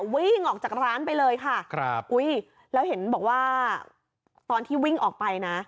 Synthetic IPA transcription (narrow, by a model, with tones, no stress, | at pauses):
wi˥˩ŋʔɔː˨˩k̚t͡ɕaː˨˩ɾaː˦˥npa˧jlɤː˧jkʰa˥˩kʰɾp̚ʔu˦˥j | lɛː˦˥wɦe˩˦nbɔː˨˩k̚waː˥˩ | t̪ɔː˧nt̪ʰiː˥˩wi˥˩ŋʔɔː˨˩k̚pa˧jna˦˥ʔ